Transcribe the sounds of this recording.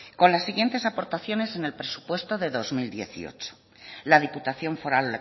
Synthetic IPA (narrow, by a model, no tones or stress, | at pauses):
ko̞nlasːiɣje̞nt̪e̞sapo̞ɾt̪aθjo̞ne̞se̞ne̞lpɾe̞su̥pwe̞st̪oðe̞ðo̞zmild̪je̞̰θḭo̞̰t͡ʃo̥ | laðiput̪aθjo̞ɱfo̞ɾalle